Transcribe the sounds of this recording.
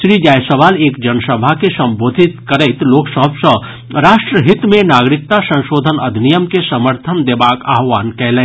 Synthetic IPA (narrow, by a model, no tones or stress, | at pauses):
ʃɾiːd͡ʒaːjsəʋaːleːkd͡ʒənsəbʱakesɐ̃mboːd̪ʱɪt̪kəɾəɪt̪loːksəɦəbsə | ɾaːʃʈɾəɦɪt̪mẽnaːɡɾɪk̚t̪asə̃nʃoːd̪ʱənɐd̪ʱnijəmkesəməɾt̪ʰənd̪eːbaːkaːɦʋaːnkɛɦlɛ̃ː